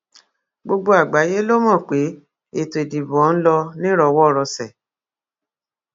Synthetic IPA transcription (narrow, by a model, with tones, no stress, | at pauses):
ɡ͡bo˧ɡ͡bo˧a˨ɡ͡ba˨˦je˦lo˦mɔ̃˦˨k͡pe˨˦ | e˨to˨e˨di˨bɔ̃˨˦n̩˦lɔ˧nĩ˦ɾɔ˧˨wɔ˦˨ɾɔ˧sɛ˨